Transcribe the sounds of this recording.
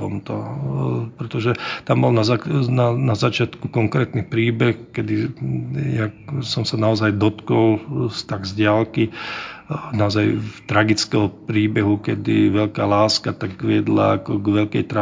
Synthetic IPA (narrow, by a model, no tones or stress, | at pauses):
ɔmt̪ɔ | pɾɛt̪ɔʒɛt̪ambɔlnazananazat͡ʃɪat̪kukɔŋkɾɛːt̪nixpɾiːbɛxkɛd̪i | jasɔmsanaɔzajd̪ɔt̪kɔlst̪aɡzɟɪalki | naɔzajft̪ɾaɡit͡skɛɦɔpɾiːbɛɦukɛd̪iʋɛʎkaːlaːskat̪aɡʋɪɛd̪la̰ːkɔɡʋɛʎkɛjt̪ɾa